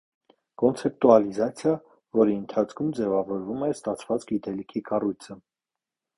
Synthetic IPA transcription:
kɔnt͡sʰɛp̚t̪uɑlizɑt͡sʰjɑ | vɔɾiənt̪ʰɑt͡sʰkʰumd͡zɛvɑvɔɾvumɛst̪ɑt͡sʰvɑt͡sɡit̪ɛlikʰikɑrujt͡sʰə

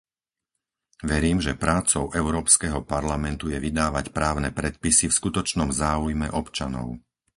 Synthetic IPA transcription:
ʋɛɾiːmʒɛpɾaːt͡sɔʊʔɛʊɾɔːpskɛɦɔpaɾlamɛnt̪ujɛʋid̪aːʋacpɾaːʊnɛpɾɛt̪̚pisifskut̪ɔt͡ʃnɔmzaːujmɛ̰ʔɔpt͡ʃanɔ̰ʊ

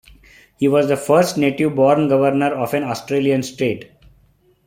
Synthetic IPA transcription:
hiːʋɔːzd̪əfəɾsʈneːʈiʋbɔːɾnɡʌʋəɾnəɾɔːfɛ̃nɔːsʈɾeːliə̃nsʈɾeːʈ

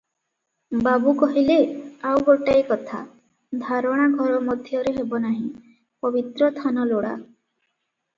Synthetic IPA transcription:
babukɔɦileawɡoʈaikɔt̪ʰa̰ | d̪ʱaɾɔɽ̃aɡʱɔɾɔmɔd̪ʱjɔɾeɦebɔnaɦĩ | pɔbit̪ɾɔst̪ʰanɔloɽa̰

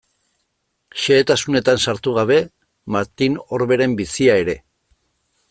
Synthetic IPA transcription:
ʃeːt̪asune̞t̪ansaɾt̪uɣ̞aβ̞e̞ | maɾt̪ino̞ɾβe̞ɾe̞mbisiae̞ɾe̞

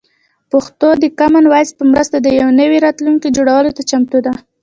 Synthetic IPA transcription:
pʊxt̪od̪əkamanwajspəmɾəst̪ad̪əjawnəwiɾɑt̪luŋkid͡ʒoɽawəlot̪at͡ʃamt̪ud̪a

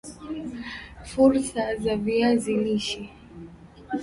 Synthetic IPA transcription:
fuɾsazaviaziliʃi

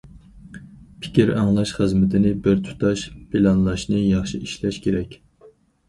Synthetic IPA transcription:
pʰɪ̥kʲʰiɾɑ̰ŋlˠɑʃχəzmɪt̪ʰɪnɪbɪɾt̪ʰu̥t̪ʰɑʃpʰɪlɑnlˠɑʃnɨjɑχʃiʔiʃlɛʃkʲʰeɾɛkʲ

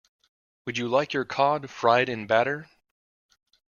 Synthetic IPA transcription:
wɨd͡ʒɨlaɪkʰjə˞kʰɑd̥fɹaɪɾɨ̃nbæɾə˞

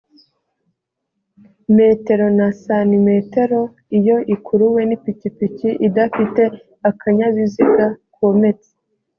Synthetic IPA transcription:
me̞te̞ɾo̞nasanime̞te̞ɾo̞ | ijo̞ʔikʰuɾuwe̞nipicipiciʔidafite̞ | akʰaɲaβiziɡakome̞t͡se̥

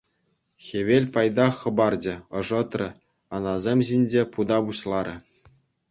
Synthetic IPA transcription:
xʲeʋʲelʲpɑjd̪ɑχɤ̆bɑrd͡ʑɘ̆ɤ̆ʐɤ̆t̪rʲɘ̆ | ɑnɑzʲemʲʑinʲd͡ʑʲepud̪ɑbuɕlˠɑɾʲɘ̆

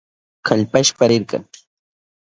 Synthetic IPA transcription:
kʰaʎpaʃpaɾɪɾka̰ŋ

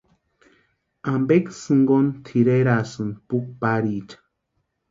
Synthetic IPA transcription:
ambeksɨŋɡont̪ʰiɾeɾasɨnpuk̚paɾit͡ʃḁ

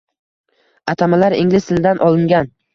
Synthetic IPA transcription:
at̪ʰamalaɾɪŋlɪst̪ɪld̪anʔɒlˠɪŋɡʲan

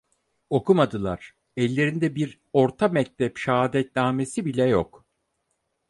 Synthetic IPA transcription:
o̞kumad̪ɯlˠa̰ɾ̥ | ɛlʲːe̞ɾind̪ɛbiɾ | o̞ɾt̪ʰamɛc̚t̪ʰɛpʃaaːd̪ɛt̪̚naːme̞sibilʲɛjo̰k

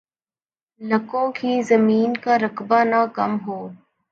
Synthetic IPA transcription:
ləkõːkiːzəmiːnkaɾəkbanakɐmɦoː

